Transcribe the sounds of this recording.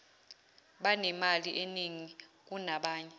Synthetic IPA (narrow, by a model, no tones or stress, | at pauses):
ɓanɛmaliʔeniŋik̬unaɓaːɲɛ